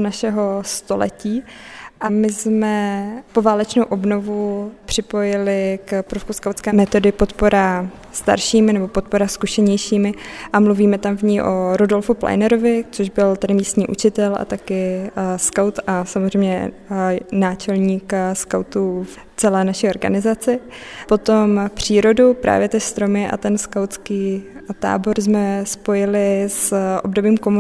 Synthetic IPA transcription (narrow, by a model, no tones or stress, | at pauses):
naʃɛɦo̞st̪o̞̰lɛ̰ciːʔamɪsmɛpo̞vaːlɛt͡ʃnowʔo̞bno̞vupr̝̥ɪpo̞jɪlɪkpɾofkuskaw̪skɛːmɛt̪o̞dɪpo̞t̪po̞ɾa | st̪a̰ɾʃiːmɪnɛbo̞pot̪̚po̞ɾaskuʃɛɲɛjʃiːmɪʔamluviːmɛt̪amvɲiʔoɾodo̞lfupla̰jnɛɾovɪt͡soʒbɪlt̪adɪmiːst̪ɲiːʔut͡ʃɪt̪ɛlʔa̰t̪akɪskawt̪ʔasamozrɛjmɲɛ̰ | naːt͡ʃɛlɲiːkskawt̪uf | t͡sɛlɛːnaʃio̞ɾɡa̰nɪzat͡sɪ | po̞t̪o̞mpr̝̥iːɾo̞dupɾʔa̰ːvjɛt̪ɪst̪ɾo̞mɪʔa̰t̪ɛnskawt͡skiːt̪a̰ːbo̞ɾzmɛspo̞jɪlɪsʔo̞̰bdo̞biːmkom